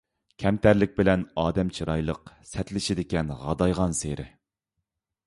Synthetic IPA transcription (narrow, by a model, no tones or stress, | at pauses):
kʲʰɛmt̪ʰæɾlɪk̚ʲbɪlɛnɑːd̪ɛmt͡ʃʰiɾɑjlˠəqsɛt̪lɪʃɪd̪ɪkʲɛnʁɑ̰d̪ɑjʁɑnseɾɪ